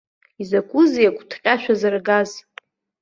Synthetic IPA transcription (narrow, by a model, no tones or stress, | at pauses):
izakʷʰʼʊzijakʷʰʼtʰqʲʼaʃʷᶣazarɡaz